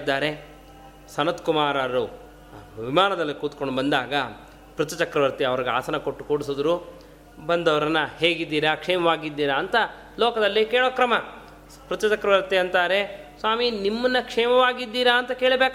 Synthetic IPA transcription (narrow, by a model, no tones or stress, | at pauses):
d̪ːaːɾe̞ | sɐnɐt̪kumaːɾaːɾu | ʋimaːnɐd̪ɐlːikuːt̪koɳɖbɐnd̪aːɡɐ | pɾut̪ːɐt͡ʃɐkɾɐʋɐɾt̪iɐʋɐɾiɡea̰ːsɐnɐko̞ʈːu̥koːɽisoːd̪ɾu | bɐnd̪ɐʋɐɾɐnːɐhɦeːɡid̪ːiːɾɐkʂɛːmɐʋaːɡid̪ːiːɾɐːnt̪ɐ | lɔːkɐd̪ɐlːikeːɭoːkɾɐmɐ | pɾut̪ːɐt͡ʃɐkɾɐʋɐɾt̪iɐnt̪aːɾe̞sʋaːminimːɐnːɐkʂɛːmɐʋaːɡid̪ːiːɾɐːnt̪ɐke̞ːɭbeːk